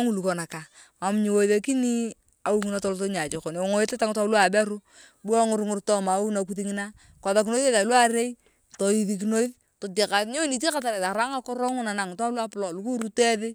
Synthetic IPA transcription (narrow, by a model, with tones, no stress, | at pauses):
ŋu˨lu˨kɔ˨na˨ka˨ | a˨mɲi˨wo˨ðe˨ki˦ni˦ | a˨u˦ŋɪna˦tɔ˦lto˦ɲa˨d͡ʒɪ˨ko˨ne˨o˨ŋo˦e˦te˦ta˦ŋ˦ta˦lu˦a˨bɛ˦ɾu˦ | bu˦a˦ŋʊ˨˦ɾŋʊ˨rtɔ˦ma˨˦wu˦na˨ku˦ti˦ŋɪ˦na˦ | kɔ˨ða˨ki˨no˦ðe˦ta˨lwa˦ɾe˦i˦ | to˨i˨ði˨k̬i˨no˦i˦ð | to˨t͡ʃi˨ka˨˦ɲo˦ni˨ti˦ka˦ta˨ɾe˨ta˨ɾa˦ŋa˦kɔ˦ɾɔ˦ŋʊ˦na˨na˨ŋ˨ta˦lu˦a˦plɔ˨lu˨˦ku˦ɾu˦tɛ˦ðɪ˦